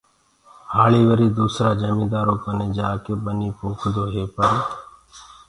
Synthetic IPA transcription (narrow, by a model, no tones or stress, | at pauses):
haːɭiːʋəɾiːd̪uːsɾaːd͡ʒəmĩːd̪aːɾoːkəneːd͡ʒaːkebəniːpoːkʰd̪oːɦeːpəɾeː